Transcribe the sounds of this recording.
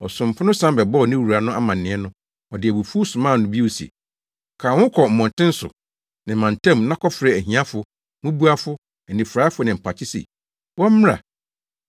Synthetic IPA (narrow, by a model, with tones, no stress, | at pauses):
ɔ˨sʊ̃˨m̩˨pʰʊ˦nʊ̃˦sã˦m˦bɛ˨bɔ˦ɔ˨nɪ̃˦wu˨ɾa˨nʊ̃˦ʔa˦mã˨n̩ː˨ɪ̃˨˦ɛ˦nʊ̃˦ | ɔ˨dɪ˨æ˨bu˨fu˦sʊ̃˨mãː˦˨nʊ̃˨bi˦o˨sḛ˨ | kʰãː˨wʊ̃˦kʰɔ˨m̩˨mɔ̃˨n˨tʰɪ̃˦n̩˦sʊ̰˨ | nɪ̃˨mã˨n˨tʰɛ̃˦mnã˦kʰɔ˦fɾɛ˨æ˨ɦĩ˨˦a˦fʊ˨ | mũ˦bu˦a˦fʊ˦ | æ˨nĩ˨fɾa˨˦fʊ˦nɪ̃˨m̩˨pʰa˨t͡ɕʰɪ˦sɛ̰˨ | wɔ̃˦m̩˦m˦ɾa̰˨